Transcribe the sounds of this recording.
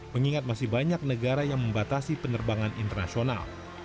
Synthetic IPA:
məŋiŋat̪̚masɪhbaɲak̚nəɡaɾajaŋməmbat̪asipənərbaŋanḭnt̪ərna̰siona̰l

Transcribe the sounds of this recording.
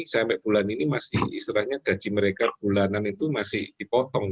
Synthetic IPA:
samɛʔb̥ulaninimasɪhḭsɾahɲaɡ̥a̤d̥d͡ʒ̥i̤məɾekab̥ulananit̪umasɪhd̪̥ipɔt̪ɔŋ

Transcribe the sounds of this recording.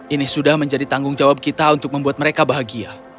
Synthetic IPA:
ʔinɪsudahməɲd͡ʒadit̪aŋɡʊŋd͡ʒawab̚kit̪aunt̪ʊk̚məmbuat̪məɾekabaɦaɡia

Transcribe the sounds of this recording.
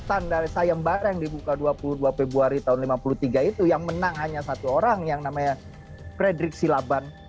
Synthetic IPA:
t̪andaɾisajambaɾajaŋdibukaduapuluduafebuaɾit̪aʊnlimapulut̪iɡait̪ujaŋmənaŋɦaɲasat̪uoɾaŋjaŋnamaɲa | fɾedɾɪk̚silaban

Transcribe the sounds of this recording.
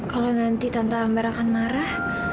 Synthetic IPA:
kalonant̪it̪ant̪aːmbaɾakanmaɾah

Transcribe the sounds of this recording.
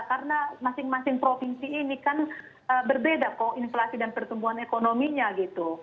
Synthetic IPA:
karənamasɪŋmasɪŋpɾofinsiːnikan | əːbərbedakoinflasidanpərt̪umbuɦanekonomiɲaɡit̪u

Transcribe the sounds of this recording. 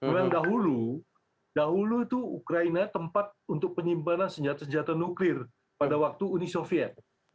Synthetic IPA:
məmaŋdaɦulu | daɦuluit̪uukɾainat̪əmpat̪̚unt̪ʊk̚pəɲimpanansəɲd͡ʒat̪asəɲd͡ʒat̪anuklɪr | padawak̚t̪uːnisofiɛt̪̚

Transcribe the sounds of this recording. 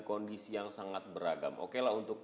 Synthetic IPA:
kɔndisijaŋsaŋat̪̚bəɾaɡa̰mʔo̰kelaɦunt̪ʊk̚

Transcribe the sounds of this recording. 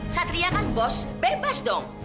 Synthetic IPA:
sɐt̪ɾijakanbosbɛbasd̪ɔŋ

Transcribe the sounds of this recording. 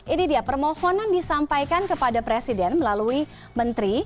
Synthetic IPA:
ʔinidiapərmɔhɔnandisampajkankəpadapɾesidɛnməlalui | mənt̪ɾi

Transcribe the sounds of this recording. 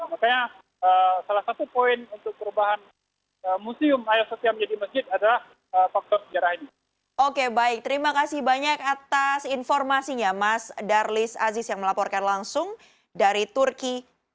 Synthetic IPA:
amakaɲa | əsalahsat̪upoɪnunt̪ʊk̚pəɾubaɦan | əmusiʊmajɔsot̪ialməɲd͡ʒadiməsd͡ʒɪt̪̚adalah | əfak̚t̪ɔrsəd͡ʒaɾahini | ʔokebaɪk̚t̪əɾimakasɪhbaɲakat̪asinfɔrmasiɲamasdarlɪsa̰zɪsjaŋməlapɔrkanlaŋsʊŋ | daɾit̪urki

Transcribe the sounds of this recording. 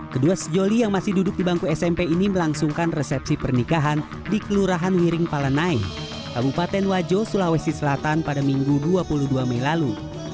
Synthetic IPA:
kəduasəd͡ʒolijaŋmasɪhdudʊk̚dibaŋkuɛsɛmpeiniməlaŋsuŋkanrɛsɛpsipərnikaɦan | dikəluɾaɦanwiɾɪŋpalanai | kabupat̪ɛnwad͡ʒosulahwɛst̪isəlat̪anpadamiŋɡuduapuluhduamɛilalu

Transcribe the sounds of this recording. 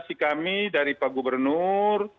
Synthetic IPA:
sikamidaɾipaɡubərnur

